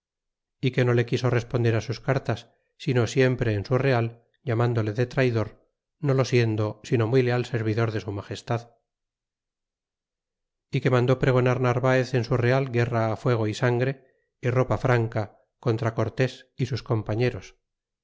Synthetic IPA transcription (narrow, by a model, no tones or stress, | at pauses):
ike̞no̞le̞kiso̞re̞spond̪e̞ɾasuskaɾt̪asː | ino̞sje̞mpɾe̞ːnsure̞al | ʎamand̪o̞le̞ðe̞t̪ɾajðo̞ɾ | no̞lo̞sje̞nd̪o̞sino̞mwile̞alseɾβ̞iðo̞ɾðe̞sumaχe̞st̪að | ike̞mãnd̪o̞pɾe̞ɣ̞o̞naɾnaɾβae̞θe̞nsure̞alɡe̞raːfwe̞ɣ̞o̞isaŋɡɾe̞ | iro̞pafɾaŋka | ko̞nt̪ɾako̞ɾt̪e̞sisusko̞mpaɲe̞ɾo̞s